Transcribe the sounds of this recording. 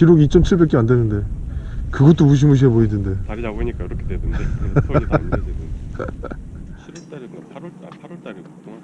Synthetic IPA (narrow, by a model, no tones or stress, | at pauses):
kiɾoɡit͡ɕ͈ʌmt͡ɕʰiɭbe̞k͈eandenɯnde̞ | kɯɡʌt͈omuɕ̬imuɕ̬ʰieboidɯnde̞ikakʰ